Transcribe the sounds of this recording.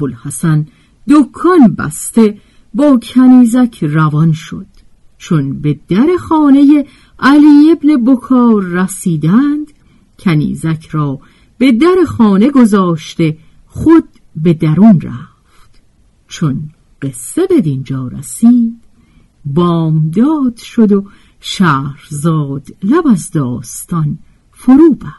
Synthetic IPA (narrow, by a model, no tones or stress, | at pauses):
olhæsæn | d̪okʰːɒnbæ̰st̪e̞ | bɒːcʰæniːzæcʰrævɒnʃo̞̰d̪̥ | t͡ʃʰo̞nbe̞d̪̥æɾe̞xɒːne̞je | ʔæliːe̞bne̞bokʰɒːɾːæsiːd̪ænd̪̥ | cʰænḭːzæcʰɾɒː | b̥e̞d̪æɾe̞xɒːne̞ɡo̞zɒːʃt̪e̞ | χod̪ | be̞d̪æɾunræ̰ | fft̪ | t͡ʃʰo̞n | ɢe̞sːe̞be̞d̪ind͡ʒɒːɾæ̰siːd̪̥ | bɒːmd̪ɒːd̪̥ʃo̞d̪o̞ | ʃæːɾzɒːd̪̥læbæzd̪ɒːst̪ɒn | foɾuːbæɾ̥